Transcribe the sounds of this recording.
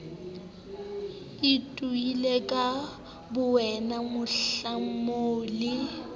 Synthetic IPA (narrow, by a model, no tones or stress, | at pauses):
itʼuilekʼa | bʊwɛnamʊɬamoːlɪ